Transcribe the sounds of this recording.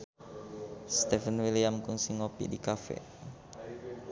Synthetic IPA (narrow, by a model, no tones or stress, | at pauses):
st̪ɛfənwiliamkuŋsiŋopḭdikafɛ̰